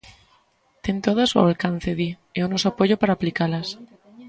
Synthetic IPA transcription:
t̪ent̪oðasua̰lkan̟θeði | eonosoapoʝopaɾaːplikalas

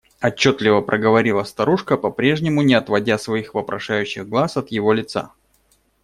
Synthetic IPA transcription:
ɐt͡ɕːo̞t̪lʲɪvəpɾʔəɡəvɐɾʲilˠəst̪ɐɾuʂkəpɐpɾʲe̞ʐnʲɪmʊnʲɪɐt̪vɐdʲasvɐixvəpɾɐʂajʉɕːɪɣɡlˠasɐt̪jɪvo̞lʲɪt̪sa̰

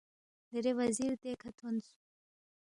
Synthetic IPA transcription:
d̪əɾewɐziɾt̪ekʰat̪ʰonsu̥

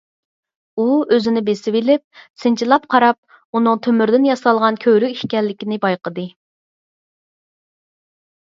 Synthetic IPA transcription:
uøzɪnɪbesɪbɪlɪp̚sɨnt͡ʃʰilˠɑp̚qʰɑɾɑp̚ | unɨŋt̪ʰømyɾd̪ɪnjɑsɑlˠʁɑnkʲʰøɾykʲiʃkʲɛlːɪkʲinɪbɑjqʰəd̪ɨ

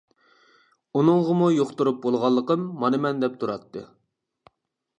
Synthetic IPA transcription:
unɨŋʁəmujoχt̪uɾup̚bolˠʁɑlˠːəqəmːɑnɨmɛnd̪ɛp̚t̪ʰuɾɑt̪ʰːɨ̰

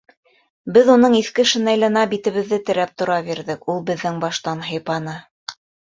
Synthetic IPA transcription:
bɘðunɤɴiθkɘ̆ʃɘ̆næjlænɑbit̪ɘ̆βɘ̆ðːɘt̪ɘ̆ɾæp̚t̪ŏɾɑβiɾðɘkulˠbɘ̆ðːɘŋbɑʃt̪ɑnɦɤ̆jpɑnɤ

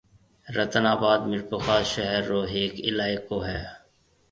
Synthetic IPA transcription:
ɾɐt̪ənaːbaːd̪mɪɾpʊxaːʃɐɦɛɾːoːɦeːkɪlaːɪkːoɦɛː

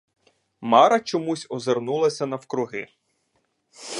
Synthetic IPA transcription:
mɑɾɐt͡ʃɔmusʲɔzernulˠɐsʲɐnɐwkɾʊɦɪ

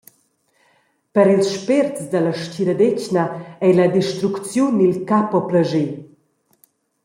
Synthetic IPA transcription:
pəɾilsʃpertt͡sd̪əlɐʃciɾɐd̪ecnɐɛjlɐd̪iʃt̪ɾukt͡sjunilkapɔpləʒe

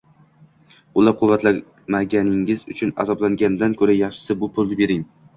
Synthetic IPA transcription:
ʊlˠaɾ̚qʰʊvːat̪la | maɡʲanɪŋɪzʊ̰t͡ʃʰʊna̰zɒblaŋɡʲanɪd̪ankʰɵɾajɑχʃɪ̥sɪbʊpʰʊlˠnɪbe̞ɾɪŋ

